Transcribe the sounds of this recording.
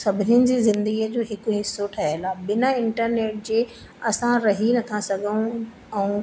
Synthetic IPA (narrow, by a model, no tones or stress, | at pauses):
sɐbʱɪnɪjənɪ̆d͡ʑeːzɪ̃nd̪əɡijəd͡ʑoːɦɪkʊɦɪsːoʈʰɐɦelaːɓɪnaɪ̃ɳʈəɾneːʈ̚d͡ʑeː | ɐsãɾɐɦinɐt̪ʰasɐɡʱəũ | ɛ̃ũː